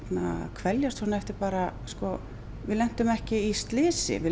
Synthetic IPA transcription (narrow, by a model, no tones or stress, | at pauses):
t̪na̰kʰvɛljast̪hɔnaɛft̪ɪɾpaːɾaskɔ | vɪlɛn̥t̪ʏmɛhcɪist̪lɪːsɪ̰vɪ